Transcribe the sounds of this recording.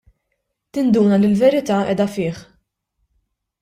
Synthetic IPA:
t̪ɪnd̪uːnɐlɪlvɛɾɪt̪ɐːʔɛ̰ːd̪ɐfɪːħ

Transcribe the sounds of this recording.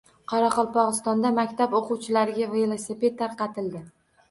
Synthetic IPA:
qʰɑɾɑqɒlˠpʰɒʁɨst̪ɒnd̪amakʲt̪ʰaboqʊwt͡ʃʰɪlaɾɪɡʲavelˠosepe̞t̪ʰːaɾqɑt̪ɪld̪ɪ

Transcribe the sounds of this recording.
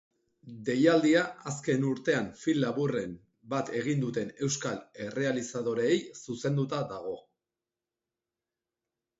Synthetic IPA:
d̪e̞jald̪iaaske̞nuɾt̪e̞aɱfilːaβurem | bat̪e̞ɣind̪ut̪e̞ne̞wskale̞re̞alisað̞o̞ɾeːjsuse̞nd̪ut̪aðaɣ̞o̞

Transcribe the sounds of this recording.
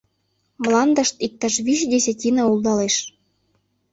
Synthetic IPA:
mlɑnd̪ɤ̆ʃt̪ik̚t̪ɑʃβyʃd̪esʲĕtʲinɤulˠd̪ɑleʃ

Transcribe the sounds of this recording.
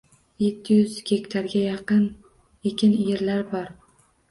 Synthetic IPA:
je̞t̪ʰːɪjʊzɡʲe̞kʲt̪ʰaɾɡʲajɑqɨn | ekʲɪnjeɾlaɾbɒɾ

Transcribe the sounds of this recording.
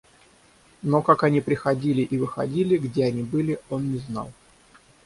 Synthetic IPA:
nokakɐnʲipɾʲɪxɐdʲilʲɪʔivɨxɐ̰dʲilʲɪɡdʲe̞ɐnʲibɨlʲɪo̞nːʲɪznɑ̰lˠ

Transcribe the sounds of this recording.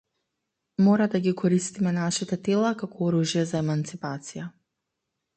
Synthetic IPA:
mɔɾad̪aɡikɔɾist̪imɛnaʃit̪ɛt̪ɛlˠakakɔɔɾuʒjɛzaɛmant̪sipat̪sija

